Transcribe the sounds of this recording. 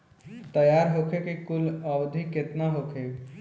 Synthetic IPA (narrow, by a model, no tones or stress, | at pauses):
t̪əjaɾɦokʰekikuləwd̪ʱikːet̪naɦokʰe